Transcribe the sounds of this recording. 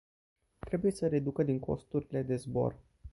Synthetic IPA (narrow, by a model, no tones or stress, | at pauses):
t̪ɾe̞buje̞səɾe̞d̪ukəd̪iŋkʰo̞̰st̪uɾile̞d̪e̞zbo̞̰r